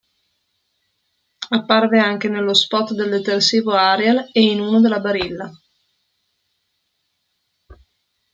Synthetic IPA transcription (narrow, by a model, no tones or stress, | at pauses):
apːarveaŋk̟enelːospɔt̪d̪eld̪et̪ersiːvoaɾealeinuːnod̪elːabaɾilːa